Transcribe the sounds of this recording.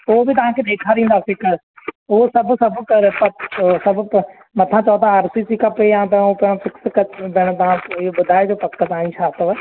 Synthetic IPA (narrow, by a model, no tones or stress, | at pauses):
oɦobɪt̪̬ɐʋ̤ãkʰed̪eːkʰaɾĩːnd̪afɪkəɾ | ʊɦosɐbʱsɐbʱkɐɾpɐsɐb | mɐt̪ʰãt͡ʃɐt̪ãaːɾsisikɐpeãːt̪ɐop̪fʰɪkskɐd̪ɪɽ̃t̪ɐʋ̤ãɪoɓʊd̪ʱaːed͡ʒopɐkːət̪ãːĩʃʰaːt̪ʋə